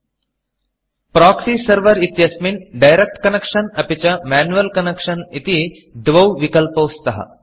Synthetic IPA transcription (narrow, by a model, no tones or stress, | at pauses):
pɾaːksiːsɐɾʋɐɾit̪jɐsminɖɐjɾek̚ʈkɐnekʂɐnɐpit͡ʃɐmaːnuʋɐlkɐnekʂɐnit̪i | d̪ʋɐwʋikɐlpɐwst̪ɐɦɐ̰